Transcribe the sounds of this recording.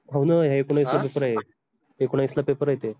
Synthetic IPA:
awnəɦjaekuɳãjslapepəɾaje | ekuɽ̃ajslapepəɾajet̪e

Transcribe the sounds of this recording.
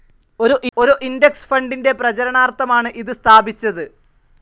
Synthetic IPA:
o̞ɾuʔʔoɾuʔindeksfɐɳɖinde̞prɐt͡ɕɐɾɐɳaːrt̪ːɐmaːɳɨʔiðɨst̪ʰaːbit͡ɕːɐðɨ

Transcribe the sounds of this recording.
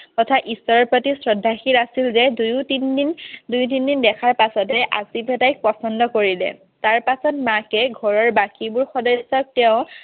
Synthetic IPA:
tɔtʰaʔisɔɹɔpɔtisɹɔdʱːaxiɹasilzɛdujutinindujt̬indindɛkʰaɹpasɔtɛʔazibɛtajk̚pɔsɔndɔkoɹilɛ̰ | taɹpasɔt̚makɛɡʱɔɹɔɹbakibʊɹxɔdɔsɔk̚tɛʊ̃

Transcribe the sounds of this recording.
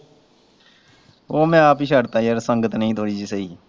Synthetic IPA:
oːmɛ̃ːaːpiːʃəɽt̪aːiəɾsəŋɡət̪nəĩːt̪oːɽiːd͡ʒiːsəiː

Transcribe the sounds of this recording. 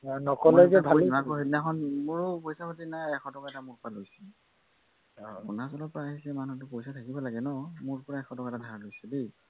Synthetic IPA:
nɔkɔlejzɛbʱainakɔɦeinakʰɔnmʊɹpojsapʰɔtinaɛkʰɔtɔkaɛtamʊɹpalojsɛ | kunasɔlɔpɔɹaːɦisɛmanut̬ʊpojsatʰakibɔlaɡɛnɔmʊɹpɔɹaɛkʰɔtɔkaɛtadʱaɹlojsɛbi

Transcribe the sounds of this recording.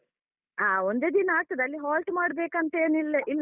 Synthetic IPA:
aːond̪eːd̪inɐaːʈ̪ːɐd̪ɐlːiɦaːlʈmaːɽbeːkɐnt̪eːnilːeʔilː

